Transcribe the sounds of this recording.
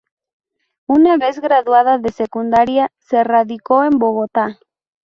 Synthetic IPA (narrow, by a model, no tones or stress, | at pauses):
unaβe̞zɣɾaðuað̞aðe̞se̞kund̪aɾiase̞raðiko̞embo̞ɣo̞t̪a